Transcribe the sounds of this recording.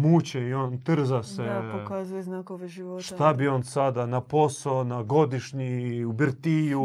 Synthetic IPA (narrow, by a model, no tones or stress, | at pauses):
mut͡ɕeiont̪r̩zasepokazujeznakoʒioʃt̪abio̞ːnsad̪anapo̞saonaɡo̞d̪iʃɲiubɾt̪iju